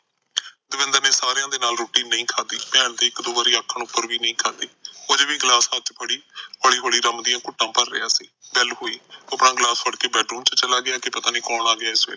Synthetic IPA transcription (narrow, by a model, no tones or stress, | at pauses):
d̪əʋɪ̃nd̪əɾneːsaːɾejãːd̪eːnaːlɾoːʈiːnːəĩːkʰaːd̪iːpɛːɳd̪eːɪkd̪oːʋəːɾiːaːkʰːəɳʊpːəɾʋiːnəĩːkʰaːd̪eːʊd͡ʒʋiːɡlaːsət͡ʃpəɽiːɦəɭiːɦoːɽiːɾəmd̪ɪjãːkʊʈːãːpəɾːɪ̰ːaːsḭːbɛlɦoːiːəpɳãːɡlaːsʋəɽkeːbɛːʈɾuːmt͡ʃt͡ʃəlaːɡɪaːkɪpət̪aːnĩːkɔːɽaːɡɪaːɪsʋɪ̰l